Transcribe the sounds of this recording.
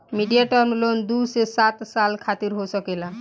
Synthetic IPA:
miɖijaʈəɾmlond̪usesat̪salkʰat̪iɾɦosəkela

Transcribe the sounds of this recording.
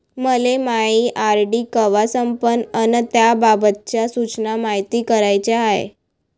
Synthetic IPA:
məlemaiʔaɾɖiːkəʋasəmpənənət̪jababət̪̚t͡ɕjasut͡ɕnamaɦit̪iːkəɾajt͡ɕaaɦḛ

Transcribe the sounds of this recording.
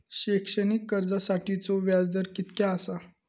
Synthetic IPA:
ɕekʂənikːəɾd͡zasaʈit͡soʋjad͡zd̪əɾkit̪kaːsa

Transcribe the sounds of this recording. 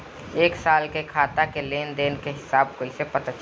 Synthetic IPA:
eːksaːlkekʰaːt̪akeleːnd̪eːnkeɦɪsaːbkoːɪsepət̪at͡ʃ

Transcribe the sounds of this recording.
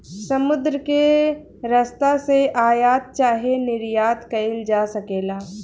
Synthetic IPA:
sɐmʊd̪ɾəke | ɾɐst̪aseʔaːjaːt̪̚t͡ʃaːɦenɪɾjaːt̪kɐɪld͡ʒaːsɐkeːlaː

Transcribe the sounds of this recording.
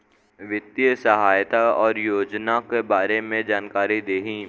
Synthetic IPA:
ʋɪt̪ːjsɐɦaːjt̪aɔːɾjoːd͡ʒnakebaːɾemẽd͡ʒaːnkaːɾid̪eːɦĩ

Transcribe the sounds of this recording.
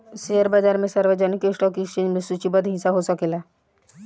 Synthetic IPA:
seəɾbaːd͡ʒaːɾmẽsɐɾʋəd͡ʒənikesʈɔ̃kit͡ʃẽːd͡ʒmesut͡ʃibəd̪ɦĩnsaɦosəkela

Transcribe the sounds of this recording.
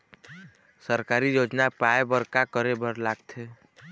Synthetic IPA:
səɾkaɾijod͡ʒnapaebəɾkakəɾebəɾlaɡt̪ʰe

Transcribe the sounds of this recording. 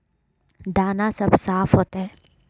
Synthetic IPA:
d̪aːnasɐbsaːfʰɦoːt̪aɦɛ̃ː

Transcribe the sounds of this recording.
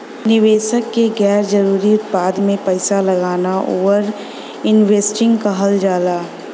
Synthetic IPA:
nɪʋeːʃəkːeɡɛːɾd͡ʒɐɾuːɾiʊt̪̚paːd̪mẽpɐɪsalɐɡaːnaʔo̰ːʋəɾ | ɪnʋeːsʈɪ̃ŋɡkɐɦəld͡ʒaːlaː

